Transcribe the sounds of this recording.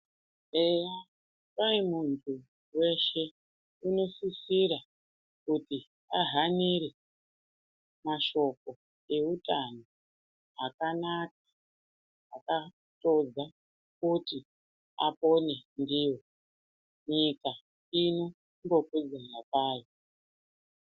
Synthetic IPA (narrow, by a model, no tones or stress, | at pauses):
eja | paimuntʰu | we̞ʃe̞ | uno̞sisiɾa | kuti | aɦaniɾe | maʃo̞k̚o̞ | e̞utano | akanak̚ḁː | ka | to̞d͡za | kuti | apo̞ne̞ndiwo̞ | ɲika | ino̞ | ŋɡo̞kud͡zanapaːjo